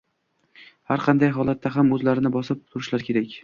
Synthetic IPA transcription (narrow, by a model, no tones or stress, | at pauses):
haɾqʰɑnd̪ajɦɒlˠat̪ːaɦamɵzlaɾɪnɪbɒsɪp̚t̪ʰʊɾɪʃlaɾkʲʰe̞ɾakʲ